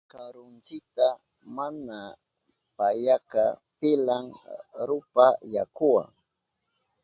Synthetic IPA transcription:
kaɾʊnt͡sɪk̚t̪a | mana | pajakapɪlaŋɾʊpaja̰kʊwa̰ŋ

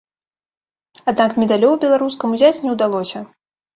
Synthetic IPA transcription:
ad̪nakmʲɛd̪alʲɔwbʲɛlˠaɾus̬kɐmuzʲat͡sʲnʲɛwd̪alˠɔsʲɐ

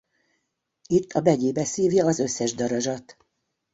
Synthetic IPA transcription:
it̪ʰːɒbɛɟeːbɛsiːvjɒːzø̞sːɛʒd̪ɒɾɒʒɒt̪

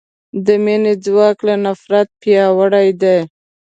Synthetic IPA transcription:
d̪əmened͡zwɑklanafɾat̪̚pjɑwəɽajd̪a

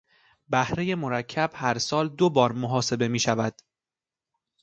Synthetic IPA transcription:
bæhɾe̞je̞moɾæcʰːæb̥hæɾsɒːld̪obɒːɾmoɦɒːse̞be̞miːʃævæd̪̥

